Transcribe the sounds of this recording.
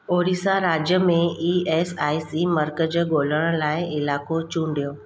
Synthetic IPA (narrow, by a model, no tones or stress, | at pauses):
oːɾiːsaɾaːd͡ʑjəmẽiːeːsaːisiməɾkəd͡ʑəɡoːləɽ̃laːɪɪlaːkot͡ɕũːɳɖijoː